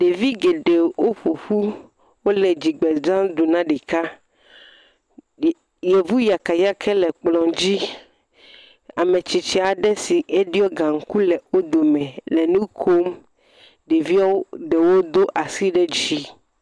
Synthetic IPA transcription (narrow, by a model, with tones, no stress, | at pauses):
ɖe˨vi˦ɡe˨ɖe˨wo˦ɸu˨ɸu˦ | wo˦lɛ˨d͡ʑi˨ɡ͡bɛ˨d͡ʒã˦d̪u˨nã˦ɖi˨ka˦ | jɛ˨vu˦ja˨ka˨ja˦kʰɛ˦lɛ˨k͡plɔ̃˨d͡ʑi˦ | a˨mẽ˨t͡ɕi˨t͡ʃɛ˨a˨ɖɛ˦si˨ʔe˦ɖi˦ɔ˦ɡã˨ŋ̩˦ku˦lɛ˨o˦d̪o˨mɛ̃˨lɛ˨nũ˦kʰo˦m | ɖe˨vi˦ɔ˦ɖɛ˨wo˦d̪o˦ʔa˨si˦ɖɛ˦d͡ʑi˦